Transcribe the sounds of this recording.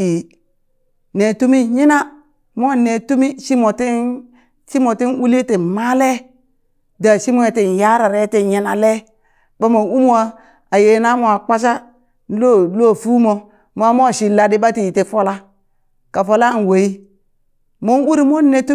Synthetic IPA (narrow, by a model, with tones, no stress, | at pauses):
i˨ | ne˨tu˦mi˦ɲi˦na˦ | m˦o˦˨ne˨tu˦mi˦ʃi˦mo˨ti˦ | ʃi˦mo˨ti˦nwu˦li˦te˨ma˦le˦ | da˨ʃi˦mo˦e˨te˨n˨ja˦ɾa˨ɾe˦te˨ɲi˨na̰˨le˦ | ba˦mo˨u˦m˦wa˦ | a˨je˨na˦mo˨a˨k͡pa˦ʃ̬a˦ | lo˦lo˦˨fu˦mo˨ | m˦a˦mo˦˨ʃi˨la˨di˦ba˦ti˨i˨ti˦fo˦la˦ | ka˨fo˦la˦˨n˨we˨i˦ | mo˦wu˦ɾi˦mo˦ne˨tu˦